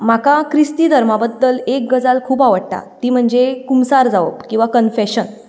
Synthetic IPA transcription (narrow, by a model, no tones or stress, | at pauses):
makakɾist̪iːd̪ʱəɾmabəd̪ːəlek̚ɡəd͡zalkʰuːpaʋəɽ̚t̪a̰t̪iːm̤əɳd͡zekumsaɾd͡zaʋə̰bkĩw̃ʋakənfeɕən